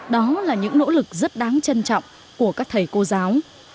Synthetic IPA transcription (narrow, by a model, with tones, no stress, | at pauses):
ɗɔ˨˦laː˨˩ɲɨ̰˧˥ŋno̰˧˥lɨ˨˩k̚zə˦˥t̚ɗaː˨˦ŋt͡ɕə˧nt͡ɕɔ̰˧˨wŋ͡m | ku˧˩əkaː˦˥k̚t̪ʰə˨˩jko˧zaː˨˦w